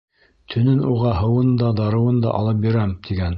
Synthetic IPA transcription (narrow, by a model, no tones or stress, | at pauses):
t̪ʰɵ̆nɵnuʁɑɦɤ̆wɤnd̪ɑd̪ɑɾɤ̆wɤnd̪ɑ̰ʔɑ̰lˠɤp̚biɾæmt̪ʰiɡæn